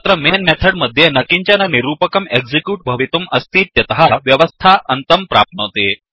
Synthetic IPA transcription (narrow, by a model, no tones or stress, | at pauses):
at̪ɾəmenmɛt̪ʰəɽməd̪ʱːjenəkiɲt͡ɕjananiɾuːpəkəmeɡd͡zikjuːʈ̚bʱəʋit̪uməst̪iːt̪jɐt̪əɦaʋjəʋəst̪ʰaʔənt̪əmpɾap̚not̪e